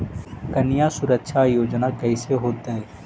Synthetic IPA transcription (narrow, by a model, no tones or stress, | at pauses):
kɐnɪjasʊɾəkʃʰajoːd͡ʒnakɛɪseɦoːt̪aɦɛː